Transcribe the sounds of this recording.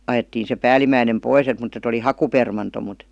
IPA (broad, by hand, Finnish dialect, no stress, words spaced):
ɑjetːiːn̞ se pæːlimæinem pois et mut et oli hɑkupermɑnto mut